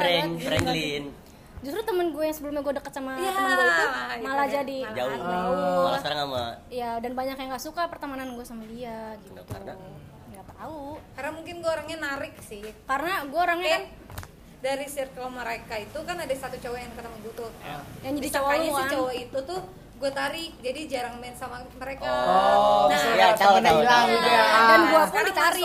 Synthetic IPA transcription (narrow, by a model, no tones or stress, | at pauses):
bɛnfɾɛŋlin | d͡ʒust̪ɾut̪əmənɡuajaŋsəbəlʊmɲaɡuadəkət̪̚samajaɡuait̪uamalad͡ʒadid͡ʒa | alaskaɾaŋama̰ijadanbaɲakjaŋɡaʔsukapərt̪amananɡuasamadiaɡit̪u | ŋɡat̪aukarnamuŋkɪnɡuaoɾaŋɲanaɾɪk̚sɪhkarnaɡuaoɾaŋɲakan | daɾisrkaloməɾekait̪ukanadasat̪ut͡ʃawajaŋkət̪amaɡat̪ʊjaŋd͡ʒaddist͡ʃawat͡ʃawait̪ut̪ʊ | ɡuat̪aɾɪk̚d͡ʒadid͡ʒaɾaŋmansamaməɾeka | at̪anablaadanɡuapʊndit̪aɪ